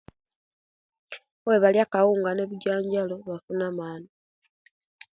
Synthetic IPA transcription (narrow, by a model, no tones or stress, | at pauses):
weβaljakawuːŋɡane̞βiɟaːɲɟaloβafunamaːna